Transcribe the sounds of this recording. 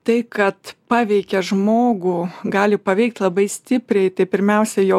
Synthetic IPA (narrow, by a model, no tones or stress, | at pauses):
t̪ɐɪkɐt̪pɑːʋʲɛɪkʲɛʒmoːɡuɡɑːlʲɪpɐʋʲɛɪkt̪lˠɐbɐɪsʲt̪ʲɪpʲɾʲɛɪt̪ɐɪpʲɪɾʲmʲɛʊsʲɛjɛʊ